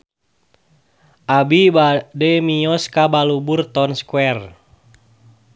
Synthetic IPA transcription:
ʔabibadɛmijɔskabaluburt̪ɔnskuɛr

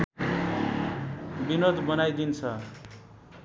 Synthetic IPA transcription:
binod̪bʌnajd̪int͡sʰʌ

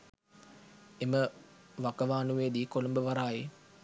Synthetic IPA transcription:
eməʋakəʋaːnuʋeːd̪iːkolumbəʋaɾaːje

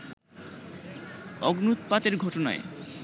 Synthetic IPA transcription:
ɔɡnut̪pat̪eɾɡʱɔʈona̰e

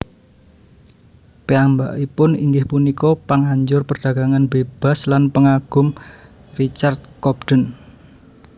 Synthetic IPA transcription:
peamba̰ʔipʊnḭŋɡɪhpunikɔpaŋaɲd͡ʒʊrpərɖ̥ä̤ɡ̥aŋanbeb̥a̤slanpəŋaɡ̥ʊ̤m | rit͡ʃard̪̚kɔbd̥ən

